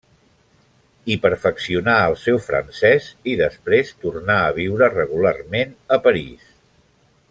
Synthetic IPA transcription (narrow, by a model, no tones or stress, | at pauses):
ipəɾfəksiunaəlˠsɛwfɾə̰nsɛziðəspɾest̪urnaəβ̞iwɾərəɣularmenəpəɾḭs